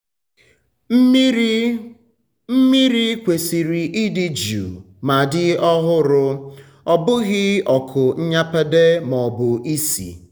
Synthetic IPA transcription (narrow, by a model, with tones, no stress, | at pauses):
m̩˦mi˦ɾi˦kʷe˨si˨ɾi˨ʔi˦dɪ˦d͡ʒṵ˨ | ma˨dɪ˦ɔ˦ɦʊ˦ɾʊ˦ | ɔ˨bʊ˦ɣɪ˦ɔ˨kʰʊ˨ɲ̩˦ɲa˦pa˦de˦mɔ˨bʊ˨ʔi˦sḭ˨